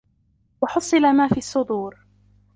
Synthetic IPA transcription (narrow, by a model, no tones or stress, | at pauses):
wɑħʊsˤːɨlamaːfiːɑsˤːʊd̪ˤuːɾ